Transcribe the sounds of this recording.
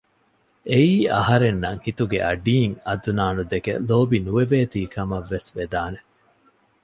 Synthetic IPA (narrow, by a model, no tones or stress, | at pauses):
ʔeiːɐɦɐɾenːɐŋhit̪uɡḛʔɐɖiːŋɐd̪unaːnud̪ekḛloːbinueʋeːt̪iːkʰɐmɐʋːesʋed̪aːne